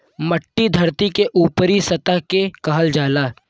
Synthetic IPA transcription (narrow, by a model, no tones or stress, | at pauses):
mɐʈːid̪ʱɐɾt̪ikeʔuːpəɾisɐt̪aɦkekɐɦəld͡ʒaːlaː